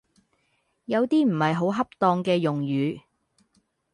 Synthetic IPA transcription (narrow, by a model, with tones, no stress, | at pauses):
jɐ˨˧wt̪iː˥m̩˨˩hɐ˨jɦo˨˥wɦɐ˥p̚t̪ɔː˧ŋkɛː˧jʊ˨ŋjyː˨˧